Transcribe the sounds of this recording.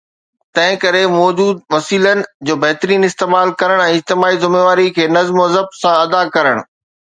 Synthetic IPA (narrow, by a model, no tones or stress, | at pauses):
t̪ɐ̃ɦɪ̃kɐɾemɔːd͡ʑuːd̪̚ʋɐsiːlənɪ̆d͡ʑoːbɐɦt̪ɾiːnɪst̪eːmaːlkɐɾəɽ̃ɛ̃ːɪd͡ʑt̪ɪmaːizʊmeːʋaːɾikʰeːnɐzmɐzəb̚sãɐd̪akɐɾəɽ̃